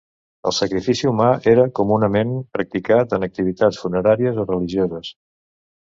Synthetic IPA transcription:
ə̰lˠsəkɾifisiumaʔeɾəkumunəmempɾək̚t̪ikat̪ənək̚t̪iβit̪at͡ssfunəɾaɾiəzorəliʒiozəs

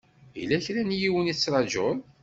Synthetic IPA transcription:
ḭlæçɾænjiwənit͡sːɾˤɑd͡ʒoɾˤ

